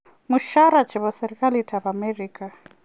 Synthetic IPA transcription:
muʃaɾat͡ʃʰɛβɔsɛɾikʼalitʰaβamɛriːkʼa

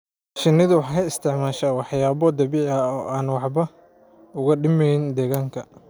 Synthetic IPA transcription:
ʃɪnɪðʊwɑħkɪst̪ʰɪʕmaːʃaːwɑħjaːβɔd̪ɐβiːʕɐɔːʔaːnwɑħbɐ | ʊɣɐɖɪmɛjnd̪ɛːɣaːŋkʰɐ

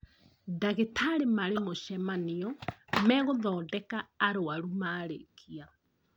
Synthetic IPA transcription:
daɣetʰaɾemaɾemoʃɛmaniɔmɛɣoðɔːdɛkaːɾoaɾumaːɾekʰia

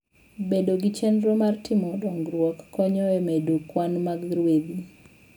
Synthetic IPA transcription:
bedoɡit͡ʃɛndɾomartʰɪmɔdɔŋɡɾwɔkːɔɲɔɛmedokwanmaɡɾwed̪i

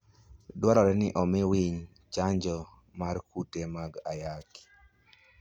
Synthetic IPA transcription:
dwaɾɔɾɛnɪʔɔmɪwiɲ | t͡ʃaɲd͡ʒɔ | markutemaɡajaki̥

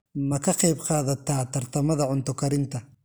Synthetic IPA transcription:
mɐkʰɐqɛjbqɑːðɐt̪aːt̪ɐɾt̪ɐmɐðɐʕʊnt̪ɔkɐɾɪnt̪ɐ

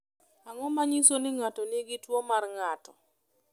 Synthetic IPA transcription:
aŋɔmaɲisonɪŋatonɪɡɪtwɔmarŋatɔ

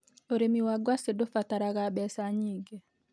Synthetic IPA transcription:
oɾemiwaɡwasedofataɾaɣaɓɛsaɲiɡe

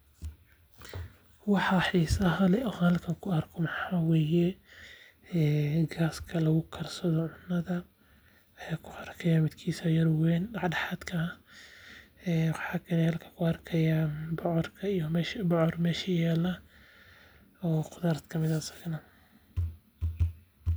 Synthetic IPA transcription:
wɑħɑħiːsɐɦɐlɛʔɔhɐlkʰɐŋkʰʊɐrkʰɔmɐħawɛːjɛ | ɛːɡaːskʰɐlɐɣʊkʰɐrsɐðɔʕʊnːɐðɐ | wjaːkʰʊʔɐrkʰɐjamɪd̪kʰiːsɐjɐɾwɛːndɑʕdɑħaːd̪kʰɐ | ɛːwɑħaːkʰɐnɛhɐlkʰɐ̥kʰʊɐrkʰɐjabɔʕɔrkʰɐijɔmɛʃbɔʕɔrmɛːʃɐjaːlɐ | ɔːqʊðaɾt̪kʰɐmɪðɐsɐ̥ɡnɐ

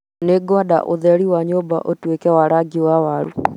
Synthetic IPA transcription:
neɡwada̰ʔoðɛɾiwaɲoːba̰ʔotwekɛwaɾaɡiwawaɾu

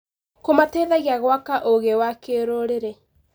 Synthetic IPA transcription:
komateðaɣiaɣwakaʔoɣewakeːɾoɾeɾe

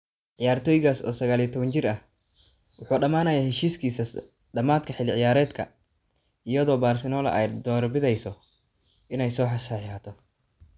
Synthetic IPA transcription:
ʕɪjaːrt̪ʰɔːjɪɣaːsɔ̰ːsɐɣaːliɐt̪ʰɔβɐnt͡ʃɪrɐh | wʊħuːɖɐmaːnɐːjaːhɛʃiːskʰiːsɐ | ɖɐmaːd̪kʰɐħɪlɪʕɪjaːɾɛːd̪kʰɐ̰ | ijɐðɔːbaːrsɪnɔːlɐ̰ʔɛ̰jd̪ɔːrbɪðɛjsɔ | ʔɪnɛjsɔːħɐʃaħaːt̪ʰɔ

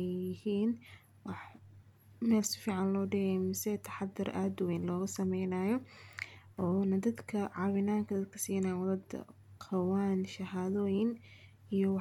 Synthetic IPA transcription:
ɛjjɪhiːn | wɑħ | mɛːlsɪ̥fiːʕɑnlɔːɖɪɣɛjmɪsɛt̪ʰɐ̥ħɑd̪ɪrʔaːd̪ʊwɛjnlɔːɣɐsɐmɛjnaːjɔ | ɔːnɐd̪ɐd̪kʰɐʕɑwɪnaːŋkʰɐd̪ɐd̪̚kʰɐsiːnajwɐðɐd̪̰ | qʰɑwaːnʃɐɦaːðɔːjɪn | ijɔwɑ

